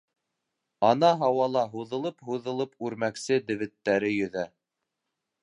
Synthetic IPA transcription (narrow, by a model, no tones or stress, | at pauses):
ɑnɑɦɑwɑlˠɑɦuðɤ̆lˠɤpɦuðɤ̆lˠɤpʉɾmæksɘd̪ɘ̆βɘ̆t̪ːæɾɘjɵ̆ðæ